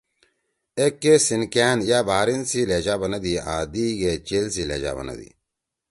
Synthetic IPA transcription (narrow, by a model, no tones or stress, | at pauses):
ekːesinkæːnjaːbaːɾinsileːd͡ʑaːbɐnɐd̪iaːd̪iɡet͡ɕelsilḛːd͡ʑa̰ːbɐ̰nɐ̰d̪ḭ